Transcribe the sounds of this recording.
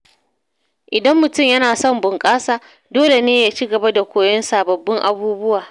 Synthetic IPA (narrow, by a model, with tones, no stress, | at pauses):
ʔɪ˨dɐ˦mːʊ˨tʊ˦˨mjɐ˦naː˨sɔ˦˨mbʊ˨ŋkʼaː˦saː˨ | doː˦le˨neː˦jaː˨˦t͡ʃiː˦ɡɐ˨ba˦da˨kʷoː˨jɔ˦nsaː˨bɐ˨bːɪ˦ŋʔa̰˨buː˦bʊ˦waː˨